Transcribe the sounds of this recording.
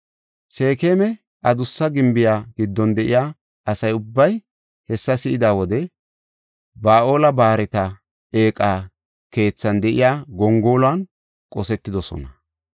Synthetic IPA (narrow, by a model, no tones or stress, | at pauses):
se̞ːke̞ːmɛ | ʔɐd̪ʊsːɐɡɪmbɪjaːɡɪd̪ːɔnd̪ɛʔɪjaː | ɐsɐjʊbːɐj | hɛsːɐsɪʔɪd̪aːwɔd̪ɛ | baːʔo̞ːlɐbaːɾɛt̪ɐ | eːkʼaː | ke̞ːt͡sːɐnd̪ɛʔɪ̰jaːɡɔŋɡo̞ːlʊɐn | kʼɔsɛt̪ːɪd̪ɔsɔ̰nɐ